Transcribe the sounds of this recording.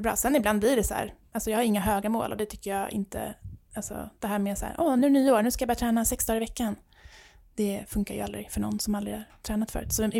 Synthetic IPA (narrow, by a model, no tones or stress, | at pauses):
bɾɑ̰ːsɛnːɪbland̪blɪɖɛshæ̰ːɾʔalsɔjɑːhaɾɪŋːaɦøːɡamo̰ːlʔɔ̰d̪ɛt̪ʰʏkːəɾjɑːɪ̰nt̪ə̰alsɔ̰d̪̥ɛɦæːɾmeːsæ̰ːɾʔɔnʉɳyːəoːɾɳʉ̟skajbɑːat̪ʰɾɛːnasɛksd̪ɑːɡɾɪvɛkːan | d̪̥ɛfɵŋkajʉ̰a̰ld̪ɾɪfœɳɔ̰nːsɔmalɾɪhaɾʈʰɾɛːnat̪fœ̰ɾʉ̰ːt̪sɔ